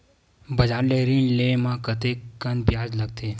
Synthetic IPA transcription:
bəd͡ʒaɾleɾĩɳlemãkət̪ekːənbjad͡ʒləɡ̚t̪ʰe

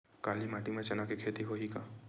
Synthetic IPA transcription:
kaːlimaːʈimẽt͡ʃɐnakekʰeːt̪iɦoɦika

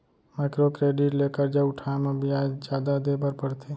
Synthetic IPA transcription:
maːɪkɾokɾeːɖɪʈleːkəɾd͡ʒaʊʈʰaːemẽbʱiaːd͡ʒd͡ʒjaːd̪ad̪eːbʱəɾpəɽt̪ʰeː

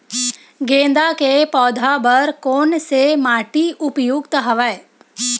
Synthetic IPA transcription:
ɡẽnd̪akepɔːd̪ʱabəɾkonsemaʈiʔʊpjukt̪ɦəʋae

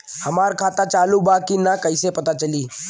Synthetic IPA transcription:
həmaːɾkʰaːt̪at͡ʃaːlubakinakəɪsepət̪at͡ʃəliː

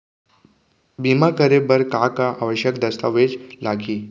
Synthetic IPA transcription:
bimakəɾebəɾkakaʔaʋəɕjəkd̪əst̪aʋed͡ʑlaɡiː

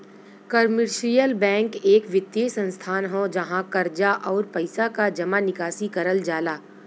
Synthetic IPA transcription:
kəɾmɪɾʃɾijəlbɛ̃ːŋkeːkʋɪt̪jesə̃nst̪ʰaːnɦõd͡ʒɐɦãkɐɾd͡ʒaʔɔːɾpɐɪsakad͡ʒɐmanɪkaːsikɐɾəld͡ʒaːlaː

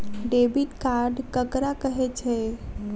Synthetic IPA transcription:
ɖebiʈkaɾɖkəkɾakəɦɛt͡ʃʰɛ

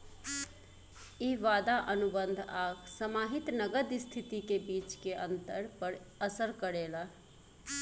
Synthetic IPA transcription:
iʋad̪aʔənubənd̪ʱaːkʰsəmaɦit̪nəɡəd̪st̪ʰit̪ikebiːt͡ʃkeə̃nt̪əɾpəɾ | əsəɾkəɾela

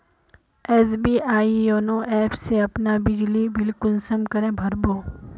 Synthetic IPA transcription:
ɛːs̬biːʔaːijoːnoʔɛːpʰseɐpnabɪd͡ʒlibɪlkʊlsəmkɐɾẽbʱɐɾboː

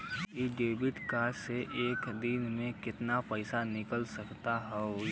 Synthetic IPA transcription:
iɖeːbɪʈkaseʔeːkd̪ɪnmẽkɪt̪napɛɪsanɪkəlsɐkt̪aɦɛ

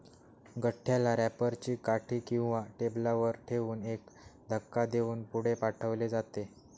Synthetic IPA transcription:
ɡəʈʰːjalaɾæpəɾt͡ɕiːkaʈʰiːkĩw̃ʋaʈeblaʋəɾʈʰeʋuːnekd̪ʱəkːad̪euːnpuɽ̤epaʈʰəʋled͡zat̪e

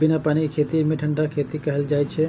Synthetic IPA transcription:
bɪnapaːñikʰeːt̪imiʈʰəɳɖakʰeːt̪ikɐɦəld͡ʒaːjt͡ʃʰe

